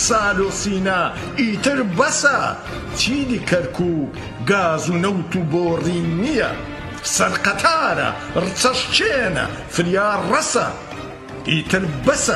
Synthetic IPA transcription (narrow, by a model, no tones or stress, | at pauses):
saːloːsiːnɐ | iːt̪ɨɾbɐsɐ | t͡ʃʰiːdikʰɐɾkʰuːk | ɡaːzunɐwt̪uboːriːnijɐ̰ | sɐɾqɐt̪ʰaːɾɐ̰ | rɨt͡sʰɐʃt͡ʃʰeːnɐ̰ | fɨɾjaːrɐsɐ̰ | iːt̪ɨɾbɐsɐ